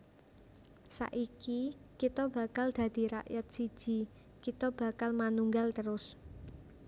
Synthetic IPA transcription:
sa̰ʔikikit̪ɔb̥a̤kald̪̥ä̤d̪̥i̤ɾa̰ʔjat̪̚si̥d͡ʒ̥i̤ | kit̪ɔb̥ä̤kalmanuŋɡalt̪əɾʊs

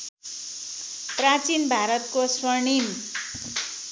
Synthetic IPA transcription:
prat͡sinbʱaɾʌt̪̚koswʌɳim

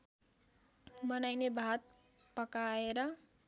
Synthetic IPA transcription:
bʌnajnebʱat̪̚ | pʌkaeɾʌ

